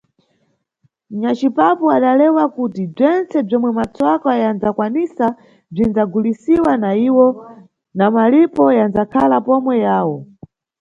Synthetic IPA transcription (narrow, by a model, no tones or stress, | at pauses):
ɲat͡ʃipapuaɗalɛwakutib͡ʐɛnt͡sɛb͡ʐɔmwɛmat͡sɔkajand͡zakwanisa | b͡ʐind͡zaɡulisiwanaiwɔ | namalipɔjand͡zakʰalapɔmwɛjaːwɔ